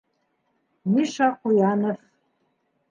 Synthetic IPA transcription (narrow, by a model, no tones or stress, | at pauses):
miʃɑqujɑnof